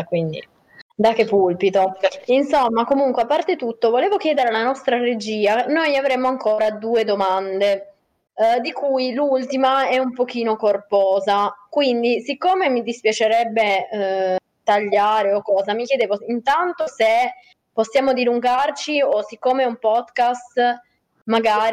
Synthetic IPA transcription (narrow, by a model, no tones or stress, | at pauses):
kwind̪ḭ | d̪akːepːulpit̪oinsomːakomuŋkweapːart̪et̪ut̪ːovoleːvokjɛːd̪eɾealanɔst̪ɾaɾed͡ʒiːanojavɾemːoaŋkoːɾad̪uːed̪omand̪e | d̪ikujlult̪imaɛumpok̟iːnokorpɔːzakwind̪isikːomemid̪ispjat͡ʃeɾɛbːe | t̪aʎːaːɾeokːɔːzamikjed̪eːvoint̪ant̪ose | posːjaːmod̪iluŋɡart͡ʃiosikːoːmeɛumpɔd̪kast̪ | maɡaːɾ